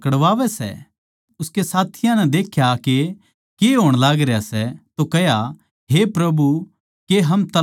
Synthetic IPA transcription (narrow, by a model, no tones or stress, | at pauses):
kəɽʋaːʋɛsɛ̰ | ʊskesaːt̪ʰɪjãnɛ̃d̪eːkʰjake | keɦoːɽ̃laːɡɾejasɛt̪okɐɦja | ɦepɾɐbu | keɦɐmt̪ɐ